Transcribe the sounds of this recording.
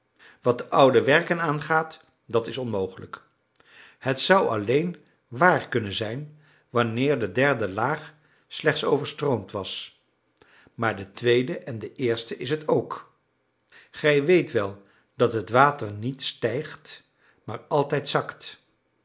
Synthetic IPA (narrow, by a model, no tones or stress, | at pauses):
ʋɑt̚əʔʌwdəʋɛɹkənaːnχaːt | dɑtɪsɔnmowχələ̰k | hətsʌwɑ̰lejn | ʋaːɹkɵnənzɛjn | ʋɑnɪːɹdədɛɹdəlaːχ | slɛχtso̰wvəɹstrowmtʋɑs | maːɹdətʋejdəʔɛndəʔɪːɹstəʔɪs̬ɦətowk | χɛjʋejtʋɛlˠ | d̥ɑtɦətʋaːtəɹnitstɛjχt | maːɹɑlˠtɛjtsɑkt